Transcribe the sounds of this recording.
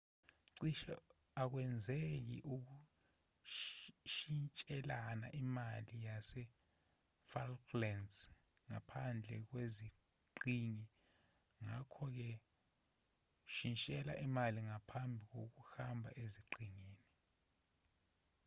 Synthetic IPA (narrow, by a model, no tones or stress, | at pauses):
ǀiʃ | ak̬wɛnd͡zʱek̬ḭʔuk̬u | ʃint͡ʃʼɛlana̰ʔimalijasɛ | falklɛns | ŋa̰pʰand͡ɮʱɛ̰k̬wezi | ǃiŋi | ŋakʰɔk̬ɛ | ʃint͡ʃʼɛla̰ʔimaliŋapʰambʱik̬ok̬uhambʱa̰ʔeziǀiŋiːni